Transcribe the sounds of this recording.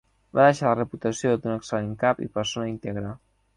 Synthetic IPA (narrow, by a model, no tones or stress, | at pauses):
baðeʃalərəput̪əsiod̪unəksəleŋkapḭpəɾsonəint̪eɣɾa